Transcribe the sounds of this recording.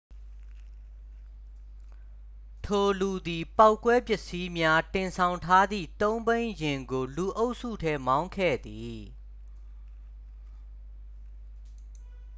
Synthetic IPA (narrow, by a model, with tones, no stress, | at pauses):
tʰo˨lu˨d̪i˨pa˦ʊkːwɛ˦pjɪ˦ʔsi˦mja˦tɪ̃˨nsʰã˨ʊ̃ntʰa˦d̪ðḭ˦˨t̪õ˦ʊ̃mbẽ˦ɪ̃jɪ̃˨ŋɡo˨lu˨ʔo˦ʊʔsṵ˦˨tʰɛ˦mã˦ʊ̃ŋkʰɛ̰˦˨d̪i˨